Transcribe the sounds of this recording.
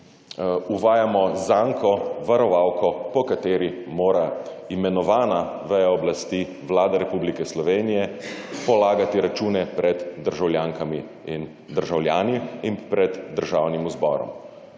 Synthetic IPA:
uʋaːjamɔzaŋkɔʋaɾɔʋawkʰɔpɔkat̪eːɾimoːɾa | imɛnɔʋaːnaʋɛjaɔblast̪i | ʋlaːd̪aɾɛpublikɛslɔʋeːnijɛpɔlaːɡat̪iɾat͡ʃuːnɛpɾɛd̪d̪əɾʒawljaːŋkami | in | d̪əɾʒawljaːniinpɾɛd̪d̪əɾʒaːwnimuzbɔ̰ːɾɔ̰m

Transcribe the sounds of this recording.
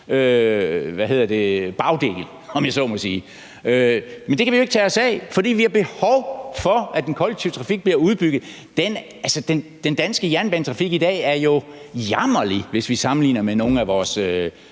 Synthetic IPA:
ø | ʋæɦe̝ð̞̰ˠɐd̥e̝b̥ɑ̈ʊd̥e̝̰ɡ̥l̩ | ɒ̽mjɑsɒ̰mɒsiː | ømend̥ekʰæʋijoe̝ɡ̥t͡sʰɛːɒ̽sɛ̰ɪfɒ̽d̥ḭːʋihɑ̈b̥e̝hɒʊfɒ̽æd̥enkʰɒ̽leɡ̥̚t͡sʰiʊt͡sʰʁɑ̈fiɡ̥̚b̥liɐuð̞ˠb̥yɡ̥ð̩ˠ | d̥en | ælsəd̥end̥end̥ænsɡ̥əjæɐnb̥ænt͡sʰʁɑ̈fiɡ̥id̥ɛ̰ːæɐjo̝jɑmɐliʋe̝sʋisɑ̈mn̩lḭːnɐmeno̝ːŋ̩æʋɒːsø

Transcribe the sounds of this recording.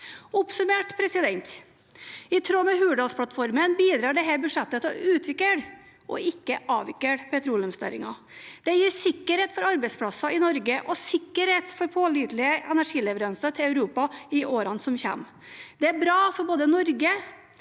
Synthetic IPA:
ʊpsʉmeːʈpʰɾɛsɪd̪ɛnt̪ | ɪt̪ʰɾoːmɛɦʉːɖɑlspʰlɑt̪fɔɾmənbiːd̪ɾɑːɖɛɦæɾbʉʂɛt̪ːət̪ɔʉːt̪ʰʋɪkːəɽ | ʔɔ̰ʔɪkːəʔɑ̰ːʋɪkːəɽpʰɛt̪ʰɾuːləmsnæ̰ɾɪ̰ŋɑ | d̪̥ɛjiːsɪkːəɾheːt̪fɔɾɑɾbɛɪspʰlɑsɑɪnɔɾɡəʔɔsɪkːəɾheːt̪fɔɾpʰoːliːd̪lɪəʔɛnæʂiːlɛʋəɾœnsɑt̪ʰɪlœʉɾuːpɑɪʔoːɾɑnsɔmçɛ̰mː | d̪ɛæɾbɾɑːfɔɾboːd̪ənɔɾɡə

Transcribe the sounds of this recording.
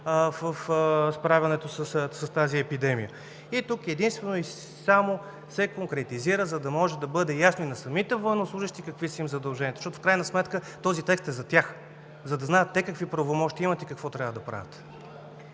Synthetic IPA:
vəfspɾavʲɐnɛt̪osəssɐst̪aziɛpid̪ɛmijə | it̪ukɛd̪inst̪vɛnoi | samo | sɛkoŋkɾɛt̪iziɾəzɐd̪ɐmɔʒɛd̪ɐbɤd̪ɛjasnoinɐsɐmit̪ɛvoɛnoslˠuʒəʃt̪ikəkvisəimzɐd̪ɐlˠʒɛnʲiɛt̪oʃtɔt̪o̥fkɾajnɐsmɛt̪kə | t̪ɔzit̪ɛkst̪ɛzɐt̪ʲjax | zɐd̪ɐznaɛt̪ːɛkəkvipɾɐvomɔʃt̪iimɐt̪ikəkvɔt̪ɾʲavəd̪ɐpɾa̰vʲɐt̪

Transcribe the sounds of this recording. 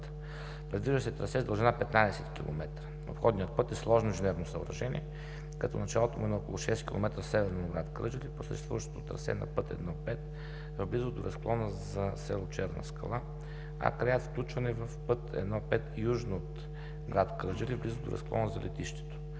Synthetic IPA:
t̪ | pɾɛd̪viʒd̪əsɛt̪ɾɐsɛzd̪əlˠʒɛnapɛt̪nad̪ɛsɛt̪kʲilˠo̰mɛt̪ɾə | o̰pxɔd̪nijət̪̚pɤt̪ɛslˠɔʒnoʒɛnɛɾnosɐo̰ɾɐʒɛnḭɛ | kɐt̪ɔ̰nɐt͡ʃalˠot̪omuɛnɛɔkolˠuʃɛskʲilˠo̰mɛt̪ɾəsɛvɛɾnoɡɾat̪kɾɤ̰d͡ʒəliposə̰ʃɛst̪vṵvəʃt̪o̥t̪ot̪ɾɐ̰sɛ̰nɐ̰pɤt̪ɛ̰d̪nɔpɛt̪ | vblizod̪oɾɐsklˠɔnəzɐsɛlˠot͡ʃɛɾnə̰skɐ̰lˠa | a̰kɾɛjat̪fklʲut͡ʃvɐnɛvɐfpɤt̪ɛ̰d̪nɔpɛt̪juʒnoot̪ | ɡɾat̪kɾɤd͡ʒəlivblizod̪o̰ɾɐ̰sklˠɔ̰nəzɐlʔɛ̰t̪iʃt̪ɛ̥t̪o̥

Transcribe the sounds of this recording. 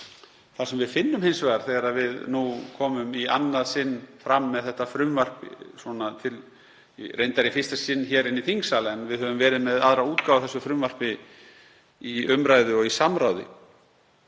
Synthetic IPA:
θasɛmvɪðfɪnːʏmhejnsvɛɣaɾ̥θɛːɣaɾaðvɪðnukʰɔːmʏmianːaðsɪnːfɾamːɛðθɛht̪ːafɾʏmvar̥pswɔnat̪ʰɪl | rejnt̪aɾɪfɪ̥st̪asɪnːçɛːɾɪniθiŋksaːlaɛnvɪðhœvʏmvɛːɾɪðmɛðaðɾauːt̪kawvaθɛsːʏfɾʏmvar̥pɪ | iʏmɾajðɪɔɣisamɾaːwðɪ̰

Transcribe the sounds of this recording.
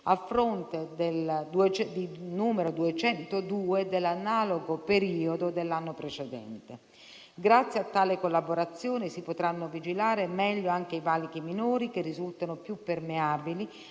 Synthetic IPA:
afːɾont̪ed̪eld̪t͡ʃɛd̪inuːmeɾod̪uet͡ʃɛnt̪od̪uːed̪elːanaːloɡopeɾiːod̪od̪elːanːopɾet͡ʃed̪ɛ̰nt̪e | ɡɾat̪sːjeat̪ːaːlekolːaboɾat̪sːjoːnɪsipot̪ɾanːovid͡ʒilaːɾemɛʎːoaŋk̟eivalikiminuːɾikerːizult̪anopjupːermeaːbili

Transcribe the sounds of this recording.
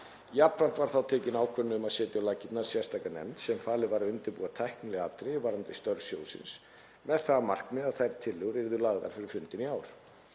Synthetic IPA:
japɾan̥t̪vaɾ̥θawt̪ʰɛːcɪnaːwkʰvœnːɪʏmaðsɛːt̪ɪawlaːcɪt̪naɾ̥sjɛ̥st̪ʰaːkanɛ̰mt̪sɛmfaːlɪvaɾaʏnt̪ɪɾpuːat̪ʰajhknɪlɛɣat̪ɾɪvaɾant̪ɪst̪œɾsjoːwsɪ̰ns | mɛðθaðmar̥kmɪðaðθajɾt̪ʰɪlːɛɣɾɪɾðʏlaɣða̰ɾ̥fɪɾɪɾ̥fʏnt̪ɪniaːwɾ̥

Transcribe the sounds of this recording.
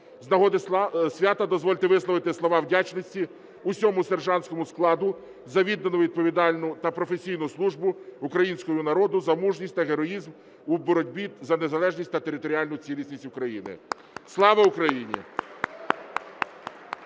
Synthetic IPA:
znɐɦɔd̪ɪsʲʋʲat̪ɐd̪ɔzʋɔlʲt̪ɪʋɪslˠɔʋɪt̪ɪslˠɔʋɑwdʲat͡ʃnɔsʲtʲi | usʲɔmʊserʒɑnʲsʲkɔmʊsklˠɑd̪ʊ | zɐʋʲid̪nenʊʋʲid̪̚pɔʋʲid̪ɑlʲnʊt̪ɐpɾɔfesʲijnʊslˠuʒbʊukɾɐjinʲsʲkɔjʊnɐɾɔd̪ʊzɐmuʒnʲisʲt̪ɐɦeɾɔjizm | ubɔɾɔdʲbʲizɐnezɐlˠɛʒnʲisʲt̪ɐt̪eɾɪt̪ɔɾʲiɑlʲnʊt͡sʲilʲisʲnʲisʲtʲʊkɾɐjinɪ̰ | slˠɑʋɐʊkɾɐjinʲḭ

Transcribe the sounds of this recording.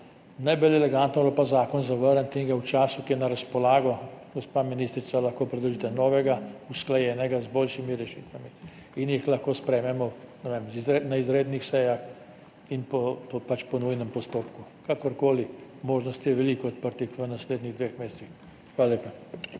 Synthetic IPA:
najbɛlɛlɛɡant̪nɔblɔpazaːkɔnzaʋəɾənt̪eŋɡawt͡ʃaːsukiɛnaɾaspɔlaːɡɔɡɔspaːminist̪ɾit̪salaxkoːpɾɛd̪lɔʒit̪ɛnɔːʋɛɡausklajɛːnɛɡazbolʃimiɾɛʃiːt̪ʋami | injixlaxkoːspɾɛːmɛmɔnɛʋemziznaizɾeːd̪nixsɛjax | inpɔpɔpat͡ʃpɔnujnɛmpɔst̪oːpkukakɔɾkoːlimoːʒnɔst̪jɛʋɛliːkɔɔt̪̚pəɾt̪ixʋənasleːd̪niɣd̪ʋexmeːsɛ̥six | xʋalaleːpa

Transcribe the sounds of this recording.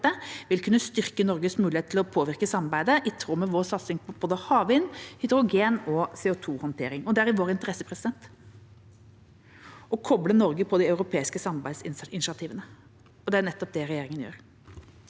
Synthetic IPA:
əʋɪlkʰʉnːəst̪ʏɾkənɔɾɡəsmʉːɪeːt̪ʰɪlɔpʰoːʋɪɾkəsɑmːɑɾbæɪd̪əʔɪt̪ʰːɾuːmɛʋoːsɑt̪sɪŋpɔb̥oːd̪əhɑːʋɪnhʏd̪əɾʊɡeːnɔseːɔt̪ʰuːhɔnt̪ʰḛːɾɪŋɔd̪ɛæɾɪʋoːɾɪnt̪əɾɛsːəpʰɾɛsɪd̪ɛnt̪ | ɔkʰɔblənɔɾɡəpʰɔd̪iɑʉɾʊpʰeːɪskəsɑmɑɾbæɪsɪnɪʃɑt̪ʰiːʋənə | ɔd̪ɛænɛt̪ːɔp̚d̪ɛɾɛjeːɾɪŋənjø̰ːɾ

